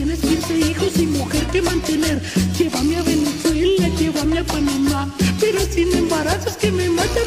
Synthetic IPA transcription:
eneskjeseixosimuxeɾkemãnt̪eneɾkeβamjaβeneswelnakeβamjapaninapeɾosinembaɾasoskememat̪a

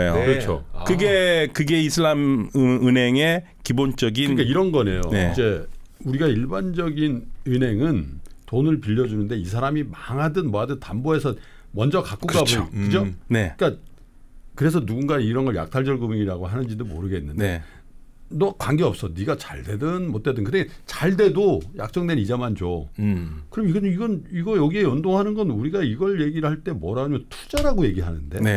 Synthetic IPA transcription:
joɯɾʌt͡ɕʰo̰kɯɡekɯɡeisʰɯɭamɯnɦe̞ŋe̞ | kibont͡ɕ͈ʌɡink͈aiɾʌnɡʌne̞j̰o̰eid͡ʑe̞ | uɾiɡaiɭband͡ʑʌɡinɯnɦe̞ŋɯntonɯɭpiʎːʌd͡ʑunɯnde̞isʰaɾamimaŋɦadɯnmʌɦadɯntamboe̞sʰʌ | mʌnd͡ʑʌkak͈uɡabokɯd͡ʑoneik͈a | kɯɾe̞sʰʌnuɡunɡaiɾʌnɡʌɭja̰k̚tʰaɭd͡ʑʌɭɡɯmiŋiɾaɡoɦanɯnd͡ʑindomoɾɯɡe̞nːɯndee | nʌkwaŋɡeʌp̚s͈ʌniɡat͡ɕaɭde̞dɯnmot͈e̞dɯnkɯdet͡ɕaɭde̞doja̰k̚t͡ɕ͈ʌŋdwe̞nid͡ʑamand͡ʑo | kɯɾʌmɡʌiɡʌniɡʌjʌɡie̞jʌndoŋɦanɯnɡʌnuɾiɡaiɡʌɭje̞ɡiɾɯɭhaɭt͈e̞mwʌɾaɡoɲimjʌntʰu̥d͡ʑaɾaɡoje̞ɡiɦanɯnde̞ne

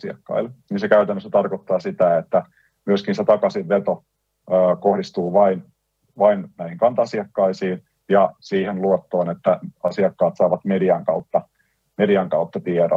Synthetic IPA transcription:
siɑ̰kːɑ̰ilniːnsekæyt̪ænːøsːæt̪ɑrkot̪ːɑːsit̪æet̪ːæ | myøskinset̪ɑkɑsiʋʋet̪o | øːkohdist̪uːʋɑin | ʋɑinnæihiŋkɑnt̪ɑsiɑkːɑisiːn | jɑsiːhenluot̪ːoːnet̪ːæɑsiɑkːɑːt̪sɑːʋɑt̪mediɑŋkɑut̪ːɑ | mediɑŋkɑut̪ːɑt̪ieɾo̰

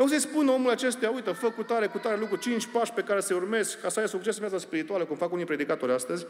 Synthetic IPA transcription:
oɡs̬əjspuno̞mulat͡ʃe̞st̪eaujt̪əfəkːut̪aɾe̞kut̪aɾe̞lukɾut͡ʃint͡ʃʲpaʃpe̞kaɾese̞urme̞zkkːasəajəsuk̚t͡ʃesɨnvjat̪saspiɾit̪ualəkumfakunijpɾe̞d̪ikat̪o̞ɾʲast̪əzʲ

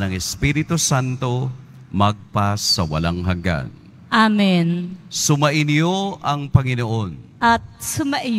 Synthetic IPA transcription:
nɐŋɛspiɾɪt̪ʊsant̪o̞ | mɐɡ̚pasɐwɐ̰laŋɦɐŋɡa̰n | ʔamɛnsʊmɐʔɪnɪjoʔɐŋpɐŋɪnoʔonʔɐt̪̚sʊmɐʔɪ

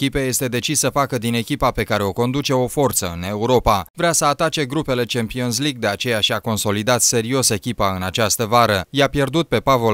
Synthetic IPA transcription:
kʲipeje̞st̪e̞d̪e̞t͡ʃisːəfakəd̪ine̞kʲipape̞kaɾe̞o̞ko̞nd̪ut͡ʃe̞o̞fo̞rt̪səɨne̞uɾo̞pavɾeasəat̪at͡ʃe̞ɡɾupe̞le̞t͡ʃe̞mpions̬liɡd̪e̞at͡ʃe̞jaʃiako̞nso̞lid̪at̪se̞ɾio̞se̞kʲipaɨnat͡ʃast̪əvaɾəjapje̞rd̪ut̪̚pe̞pavo̞

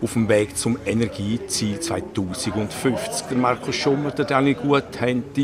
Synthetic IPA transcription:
ʊfəmvɛːɡt͡sʊmɛnɛɾɡiːt͡siːlt͡sva̰ɪtuːsiɡʊndfʏft͡sk̚d̥əɾmaɾkʰosʃʊməɾd̥ɛdaŋliɡ̥uəthɛnti

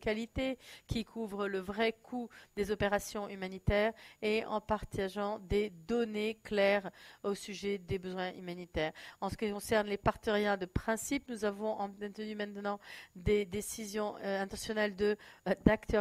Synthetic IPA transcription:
kalit̪ekʲikʰuvʁələvʁɛkʰud̪̥ezɔpeʁasjɔ̃ymanit̪ɛʁeɑ̃paʁt̪ʰaʒɑ̃d̪ed̪ɔneklɛʁosyʒed̪ebəzwɛ̃ʔymanit̪ɛːʁɑ̃sə̥kʲikɔ̃sɛʁnlepaʁt̪əʁjɛ̃d̪əpχɛ̃sipnuzavɔ̃ʔɑ̃ɛ̃t̪ənymɛ̃t̪nɑ̃d̪ed̪esizjɔ̃ɛ̃t̪ɑ̃sjɔnɛld̪əd̪akt̪œ

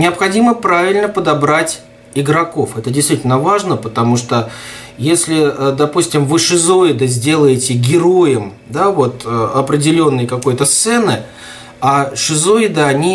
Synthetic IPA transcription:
nʲɪɐpxɐdʲiməpɾavʲɪlʲnəpəd̪ɐbɾatʲ | ɪɡɾɐko̞fɛt̪ədʲɪjst̪vitʲɪlʲnəvaʐnəpət̪ɐmuʂt̪ojesʲlʲɪd̪ɐpusʲtʲɪmvɨʂɨzo̞ɪd̪əzʲdʲe̞lˠəjɪtʲɪɡʲɪɾo̞jɪm | d̪avo̞t̪əɐpɾʲɪdʲɪlʲo̞nːəjkɐko̞jt̪əst̪sɛnɨ | aʂɨzoɪd̪əɐnʲi

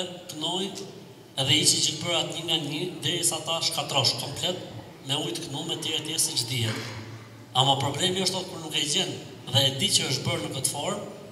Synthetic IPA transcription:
ɛkənɔjnt̪ | ɛðɛiʃit͡ʃinbəɾat̪ɲiŋɡaɲid̪ɛɾisaːt̪aʃkat̪ɾɔʃkɔmplɛt̪̚ | mɛujt̪əknumːɛt̪ɛɾɛt̪jɛɾsit͡ʃd̪iɛt | amapɾɔblɛmiəʃt̪ɔt̪̚pəɾnukɛd͡ʑɛn | ðɛːd̪it͡ʃəəʃ̬t̪bəɾnəkət̪fɔɾm

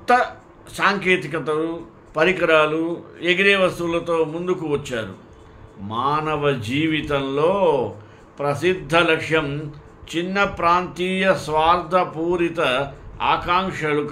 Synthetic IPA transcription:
t̪ːɐ | saːŋkeːt̪ikɐt̪ɐu | pɐɾikɐɾaːlueɡɾeːʋɐst̪ulɐt̪oːmund̪ukuʋɐt͡ʃːaːɾṵ | maːnɐʋɐd͡ʒiːʋit̪ɐmloː | pɾɐsid̪ʱːɐlɐkʂjɐm | t͡ʃinːɐpɾaːnt̪iːjɐsʋaːɾd̪ʱɐpuːɾit̪ɐa̰ːkaːŋʂɐluk

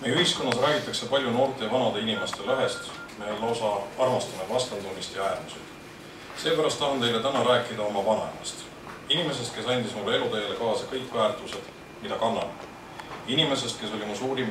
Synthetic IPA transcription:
mejyhisko̞nːɑsræːɡ̥it̪ːˑɑkse̞pɑlʲjuno̞ːrt̪ˑe̞vɑnɑd̪̥e̞inimest̪e̞leɦe̞st̪ | meolːo̞sɑɑrmɑst̪ɑnevɑst̪ɑnd̪unːist̪jɑæːrmusḛd̪̥ | se̞ːpæɾɑst̪ːɑhɑnt̪ejle̞t̪ænɑɾæːkːˑid̪̥ɑo̞mɑvɑnɑ̰mɑ̰st̪ | inime̞se̞st̪̚ke̞sɑnʲd̪ismulːee̞lut̪ejele̞kɑːsɑkɤjkːˑvæːrt̪ˑuse̞d̪̥ | mid̪ɑkɑnːɑ̰n | inime̞s̬e̞st̪̚ke̞so̞lʲimusuːɾim

